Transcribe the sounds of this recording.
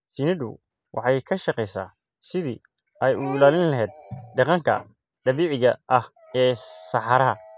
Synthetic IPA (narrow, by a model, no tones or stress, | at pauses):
sɪnɪdʊ̰ | wʔɑ̰ħɑjkʰɐʃɐqɛjsa̰ː | sɪðḭː | ɛjʊɪlaːlɪnlɐɦɛːd̪̚ɖɑqɑŋkʰɐ̰ | ɖɐβiːʕɪɣɐʔɐh | ɛːsɑħɑɾɐɦɐ